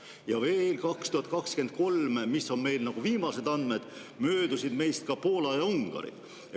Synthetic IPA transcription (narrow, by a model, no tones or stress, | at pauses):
jɑve̞ːlkɑkst̪uhɑt̪̚ˑkɑkske̞nt̪̚ko̞lmmisːo̞nme̞jlnɑɡ̥uviːmɑse̞d̪ɑnd̪me̞d̪̥ | møːd̪̥usid̪me̞jst̪̚kɑpo̞ːlɑjɑuŋɡ̥ɑ̰ɾḭ